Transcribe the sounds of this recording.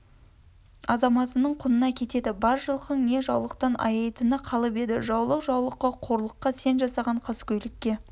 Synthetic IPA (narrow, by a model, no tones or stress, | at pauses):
ɑzɑmɑt̪ənəɴqʰʊnənɑkʲʰe̞t̪e̞d̪ɪbɑɾʒəlˠqəɴne̞ʒɑwlˠəq̚t̪ɑnʔɑ̰jɑjt̪ənəqʰɑlˠəpe̞d̪ɪ̰ʒɑwlˠəqʒɑwlˠəqːɑqʰo̞ɾlˠəqːɑse̞nʒɑsɑʁɑɴqʰɑskʲʰɵjlɪkʲːe̞